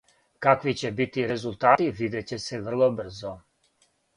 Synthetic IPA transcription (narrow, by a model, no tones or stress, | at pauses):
kakʋit͡ɕebit̪iɾezulˠt̪aːt̪iʋid̪et͡ɕeseʋr̩lˠobr̩zo